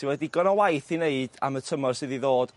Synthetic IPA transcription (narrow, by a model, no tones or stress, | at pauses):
ɪwɛdiɡɔnɔwajθineɨd̥a̰mətʰəmɔrsɪðiðoːd̥